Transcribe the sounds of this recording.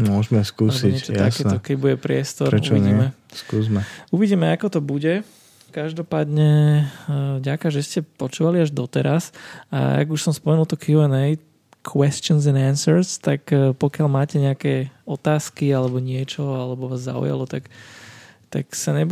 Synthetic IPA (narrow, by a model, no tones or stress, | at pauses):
mʊɔʒmɛskuːsiɛtɔtj̪asɛːnt̪ɔkɛɟbuɟɛpɾɪɛst̪ɔɾɛṵʋiɲiːɛmɛskuːzmɛuʋiɟiːmɛakɔt̪ɔbuɟɛ | kaʒd̪ɔpaːd̪ɲɛ | vɟakaʒɛscɛpɔt͡ʃuːʋaliaʒd̪ɔt̪ɛɾasa̰a̰ɡuʃsɔmspɔmɛnulˠt̪ɔkjuɛnɛj | kʰwɛst͡ʃɪɔnzɛnansəɾst̪akpɔkɪalmaːcɛɲɛakɛɔt̪aːskialɛbɔɲɪɛt͡ʃɔalɛbɔʋaːzːa̰ṵja̰lɔt̪ak | t̪a̰ksaɲɛb